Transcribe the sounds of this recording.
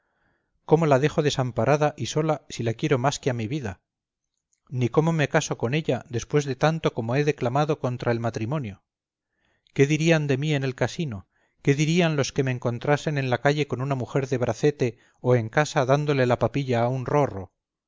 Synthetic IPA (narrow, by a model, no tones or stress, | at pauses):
ko̞mo̞lað̞e̞xoðe̞sampaɾʔaðaʔiso̞lasilakje̞ɾo̞maskeamiβiða | niko̞mo̞me̞kaso̞ko̞ne̞ʎaðe̞spwe̞zðe̞t̪ant̪o̞ko̞mo̞e̞ðe̞klamaðo̞ko̞nt̪ɾae̞lmat̪ɾimõ̞njo̞ | ke̞ðiɾiand̪e̞mie̞ne̞lkasino̞ | ke̞ðiɾianlo̞ske̞me̞ːŋko̞nt̪ɾase̞nẽ̞nlakaʎe̞ko̞nunamuxe̞ɾðe̞βɾʔaθe̞t̪e̞ | o̞e̞ŋkasaðand̪o̞le̞lapapiʎaːunro̞ro̞̰